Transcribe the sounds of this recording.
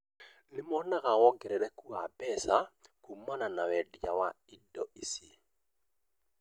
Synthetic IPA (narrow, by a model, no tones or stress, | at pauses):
nɪmɔnaɣawɔɡɛɾɛɾɛkuabɛsakumananawɛdjawa̰ | idɔisi